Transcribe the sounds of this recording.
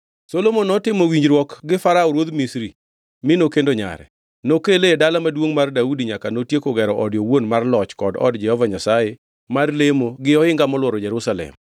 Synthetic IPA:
solomonɔtɪmowiɲd͡ʒɾwɔkɡɪfaɾaɔɾwod̪misɾi | mɪnokendoɲa̰ɾɛ̰ | nokeledalamadwoŋmardaudiɲakanotjekoɡɛɾɔʔɔdjowonmarlɔt͡ʃkɔdɔ̰dd͡ʒɛhɔvaɲasaje | marlemoɡɪɔɪŋɡamɔlwɔɾɔd͡ʒɛɾusalɛ̰m

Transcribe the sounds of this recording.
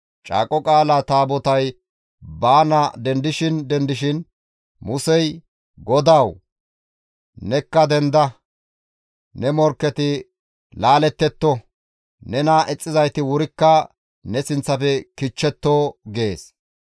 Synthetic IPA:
t͡ʃʼa̰ːkʼɔkʼaːlat̪aːbɔt̪ɐj | baːnɐd̪ɛnd̪ɪʃɪnd̪ɛnd̪ɪʃɪn | mʊsɛj | ɡɔd̪ɐw | nɛkːɐd̪ɛnd̪ɐ | nɛmɔɾkːɛt̪ɪ | laːlɛt̪ːɛt̪ːɔ | nɛnaʔɛt͡sʼːɪzɐjt̪ɪwʊɾɪkːɐ | nɛsɪnt͡sːɐfɛkɪt͡ʃːɛt̪ːoːɡe̞ːs

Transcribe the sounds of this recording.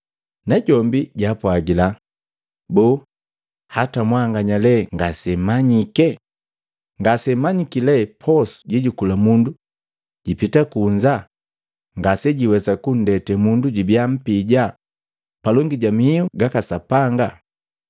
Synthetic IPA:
naɟɔmbiɟapwaɡila | bɔː | hatamwaŋɡaɲalɛŋɡasɛmaɲikɛ | ŋɡasɛmaɲikilɛpʰɔsu̥ɟiɟukulamundu | ɟ̥ipitakuɲd͡ʒa | ŋɡasɛɟiwɛsakun̩dɛtɛmunduɟibiam̩piɟa | palɔŋɡiɟamiiuɡakasapaŋɡa

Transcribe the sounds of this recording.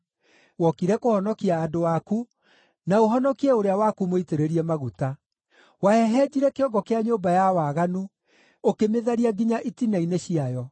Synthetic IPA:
wɔkiɾɛkohɔnɔkiaːdowaku | naoɦɔnɔkiɛoɾeawakumoiteɾeɾiɛmaɣuta | waɛɦɛd͡ʑiɾɛkeɔɡɔkeaɲoːbajawaɣanu | okemeðaɾiaɡiɲaʔitinaineɕiajɔ

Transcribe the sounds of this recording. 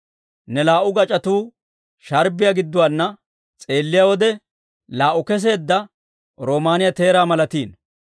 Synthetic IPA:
nɛlaːʔʊɡɐt͡ʃʼɐt̪uː | ʃɐɾbɪjɐɡɪd̪ːʊwaːnːɐ | t͡sʼe̞ːlːɪjawɔd̪ɛ | laːʔʊkɛs̬e̞ːd̪ːɐ | ɾo̞ːmaːnɪjɐt̪e̞ːɾaːmɐlɐt̪iːn

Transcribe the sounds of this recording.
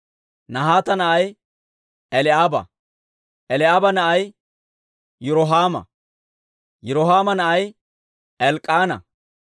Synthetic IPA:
nɐɦaːt̪ɐnɐʔɐj | ɛlɪaːbɐ̰ | ʔɛlɪaːbɐnɐʔɐj | jʊɾɔɦaːmɐ̰ | jʊɾɔɦaːmɐnɐʔɐj | ɛlkʼaːnɐ̰

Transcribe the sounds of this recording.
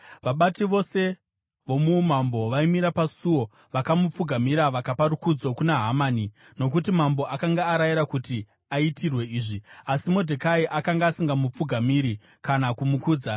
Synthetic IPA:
ʋaɓatiʋo̞se̞ | ʋo̞mumambo̞ʋaimiɾapasuwo̞ | ʋakamup͡fuɡʱamiɾaʋakapaɾukud͡zo̞kunaɦamaːni | no̞k̬utimambo̞ʔakaŋɡaːɾajiɾakuti | aitʰirwe̞iːʐiasimodʱekaiʔakaŋɡaːsiŋɡamup͡fuɡʱamiɾi | kanakumukuːd͡za

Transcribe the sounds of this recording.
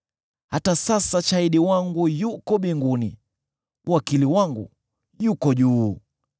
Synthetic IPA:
hatasasat͡ʃaiɗiwaŋɡujukɔɓiŋɡunḭ | wakiliwaŋɡṵ | jukɔʄuː

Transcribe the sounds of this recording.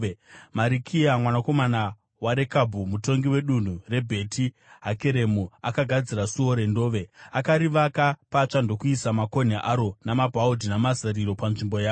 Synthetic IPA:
maɾikʰiamwanako̞mana | waɾe̞kabʱumuto̞ŋɡiwe̞ɗun̤ure̞bʱe̞tʰi | ɦake̞ɾe̞muakaɡʱad͡ziɾasuo̞ɾe̞ndo̞ːʋe̞akaɾiʋakapat͡ʂando̞kuisamako̞n̤eʔaɾo̞namabʱaudʱinamazaɾiɾo̞panʐimbojaːo

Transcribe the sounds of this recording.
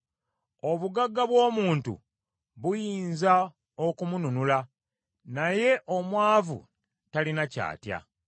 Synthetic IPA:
o̞βuɡaɡːaβwo̞ːmuːntṵ | βujiːnza | o̞kumununula | naje̞ʔo̞mwaːvṵ | talinaca̰ːtja̰

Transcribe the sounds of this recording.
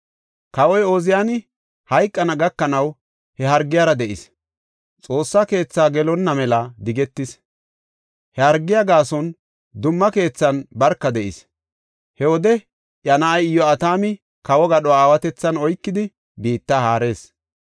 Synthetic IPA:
kɐwɔjoːzɪjaːnɪ | hɐjkʼːɐnɐɡɐkːɐnɐw | hɛɦɐɾɡːɪjaːɾɐd̪ɛʔɪs | t͡sʼo̞ːsːɐke̞ːt͡sːaːɡɛlɔnːɐmɛlɐd̪ɪɡɛt̪ːɪs | hɛhɐɾɡːɪjɐɡaːsɔn | d̪ʊmːɐke̞ːt͡sːɐnbɐɾkːɐd̪ɛʔɪs | hɛwɔd̪ɛ | ʔjɐnaʔɐjɪjːɔɐt̪aːmɪ | kɐwɔɡɐɗɔwaːwɐt̪ɛt͡sːɐnɔjkːɪd̪ɪ | biːt̪ːahaːɾe̞ːs

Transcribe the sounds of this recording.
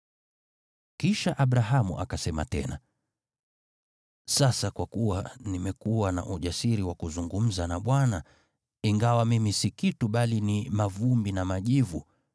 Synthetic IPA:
kiʃaʔaɓɾaɦamṵʔa̰kasɛma̰tɛ̰na̰ | sasakwakuwanimɛkuwana̰ʔuʄasiɾiwakuzuŋɡum̩zanaɓwana | iŋɡawamimisikituɓalinimavumbinamaʄivu

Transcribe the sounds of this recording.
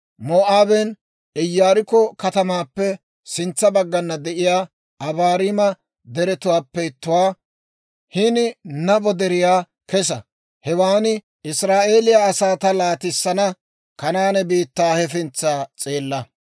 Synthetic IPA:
moːʔaːbɛn | ɪjːaːɾɪkɔkɐt̪ɐmaːpːɛ | sɪnt͡sːɐbɐɡːɐnːɐd̪ɛʔɪjaː | ʔɐbaːɾɪmɐ | d̪ɛɾɛt̪ʊwaːpːɛɪt̪ːʊwaː | hɪnɪnɐbɔd̪ɛɾɪjaː | kɛs̬ɐ | hɛwaːnɪ | ɪsɾaːʔeːlɪjaɐsaːt̪ɐlaːt̪ɪsːɐnɐ | kɐnaːnɛbiːt̪ːaːhɛfɪnt͡sːaːt͡sʼeːlːɐ

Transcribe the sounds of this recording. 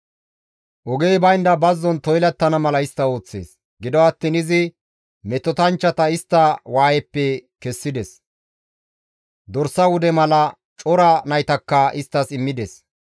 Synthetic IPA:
ʔɔɡejbɐjnd̪ɐbɐzːɔnt̪ɔjlɐt̪ːɐnɐmɐlɐɪst̪ːɐo̞ːt͡sːḛːs | ɡɪd̪ɔɐt̪ːiːnɪzɪ | mɛt̪ːɔt̪ɐnt͡ʃːɐt̪ɐɪst̪ːɐwaːjɛpːɛkɛsːɪd̪ɛs | d̪ɔɾsːɐwʊd̪ɛmɐlɐ | t͡ʃʼɔɾɐnɐjt̪ɐkːɐʔɪst̪ːɐsɪmːɪd̪ɛs

